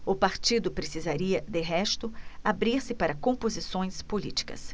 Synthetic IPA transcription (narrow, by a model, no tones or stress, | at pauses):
ʊpaɾt͡ʃid̪ʊpɾesizaɾiɐd̪ɪɦɛʃt̪ʊabɾiɾsɪpaɾɐkõpozisõj̃spolit͡ʃi̥kɐ̰s